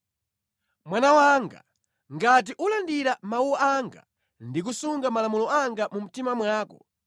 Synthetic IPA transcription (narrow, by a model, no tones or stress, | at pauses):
mwanawaŋɡa̰ | ŋɡat̬iʔulandiɾamauaaŋɡa̰ | ndik̬usuŋɡamalamulɔaŋɡamum̩timamwaːkɔ̰